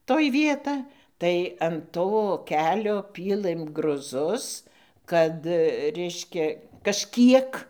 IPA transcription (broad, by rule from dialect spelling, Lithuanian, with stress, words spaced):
toːj ˈʋʲiɛtɐ tɐɪ ɐn ˈtoː ˈkʲæːlʲoː ˈpʲiːlˠɘm ɡrʊˈzʊs ˈkɐt ˈrʲɛɪʃʲkʲɛ kɐʃʲˈkʲiɛk